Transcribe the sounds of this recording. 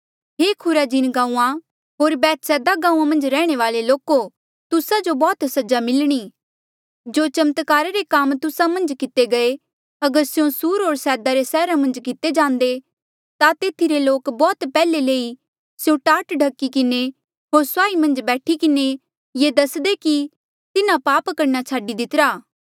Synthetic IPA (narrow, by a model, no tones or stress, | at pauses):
ɦeːkʰʊɾad͡ʒɪnɡãːũã | ɦoːɾbɛːt̪sɛːd̪aɡãːũãmɐ̃nd͡ʒɾɛːɽ̃eʋaːleloːko | t̪ʊsad͡ʒobɔːt̪sɐd͡ʒamɪlɽ̃iː | d͡ʒoːt͡ʃɐmət̪kaːɾeɾekaːmt̪ʊsamɐ̃nd͡ʒkɪt̪eɡɐe | ɐɡəɾsjõsuːɾɦoːɾsɛːd̪aɾesɛːɾamɐ̃nd͡ʒkɪt̪ed͡ʒãːnd̪e | t̪at̪eːt̪ʰiɾeloːkbɔːt̪pɛːleleːi | sjõʈaːʈɖʱɐkːikɪne | ɦoːɾsaːimɐ̃nd͡ʒbɛːʈʰikɪne | jed̪ɐsd̪eki | t̪ɪnapaːpkɐɾnat͡ʃʰaːɖid̪ɪt̪ɾaː